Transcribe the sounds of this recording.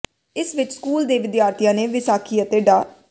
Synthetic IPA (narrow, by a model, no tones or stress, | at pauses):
ɪsʋɪt͡ʃskuːld̪eːʋɪd̪jaːɾt̪ʰijãːneːʋɪsaːkʰiːət̪eːɖaː